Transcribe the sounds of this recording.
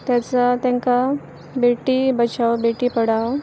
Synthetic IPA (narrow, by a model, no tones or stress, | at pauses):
t̪jat͡sat̪jãŋka | beʈiːbət͡ɕawbeʈiːpəɽaʋ